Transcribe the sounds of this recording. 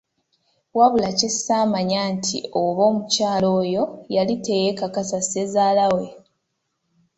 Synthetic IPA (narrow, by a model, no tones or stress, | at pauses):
waβulacesaːmaɲaːntʰḭoβo̞ːmucaːlo̞ːjo̞jalite̞jekakasase̞zaːlawe̞